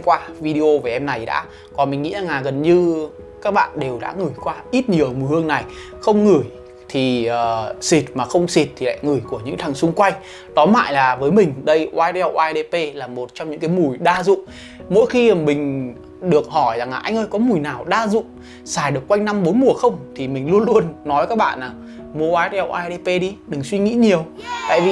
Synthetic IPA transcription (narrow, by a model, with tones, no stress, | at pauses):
kwaː˧vi˧ɗi˧ʔo˧vaː˨˩ʔɛ˧mna˨˩jɗa̰ː˧˥ | kɔ˨˩nmï˨˩ŋ̟ŋḭ˧˥zaː˨˩ŋaː˨˩ɣə˨˩nɲɨ˧ | kaː˦˥k̚ɓa̰ː˧˨nɗe˨˩wɗa̰ː˧˥ŋɨ˨˩əjkwaː˧ʔi˦˥t̚ɲi˨˩əʔə˨˩mu˨˩hɨ˧əŋna˨˩j | xə˧wŋ͡mŋɨ˧˩əj | t̪ʰi˨˩əː˨˩si˨˩t̚maː˨˩xə˧wŋ͡msi˨˩t̚t̪ʰi˨la̰ː˧˨jŋɨ˨˩əjku˧˩əɲɨ̰˧˥ŋt̪ʰa˨˩ŋsʊ˧ŋ͡mkwa˧jŋ̟ | t̪ɔ˨˦ma̰ː˧˨jlaː˨˩vəː˨˦jmï˨˩ŋ̟ɗə˧jʔwaː˧jtɛ˧wʔaː˧jɗe˧pe˧laː˨˩mo˨˩t̚t͡ɕɔ˧wŋ͡mɲɨ̰˧˥ŋkaː˨˦jmu˨˩jɗaː˧zʊ̰˧˨ŋ͡m | mo̰˧˥jxi˧˨˩mï˨˩ŋ̟ | ɗɨ˨˩ək̚hɔ˧˩jza˨˩ŋaː˨˩ʔa˧jŋ̟ʔəː˧jkɔ˨˦mu˨˩jnaː˨˩wɗaː˧zʊ̰˧˨ŋ͡m | saː˧˩jɗɨ˨˩əkːwa˧jŋ̟na˧mɓo˨˦jmu˨˩əxə˧wŋ͡mt̪ʰi˨˩mï˨˩ŋ̟lu˧ənlu˧ənːɔ˨˦və˦˧kːaː˦˥k̚ɓa̰ː˧˨nːaː˨˩w | mu˨˩waː˧jtːwʔaː˧jɗe˧pe˧ɗi˧ɗɨ˨˩ŋswi˧ŋḭ˧˥ɲi˨˩əwt̪a̰ː˧˨jvi˨˩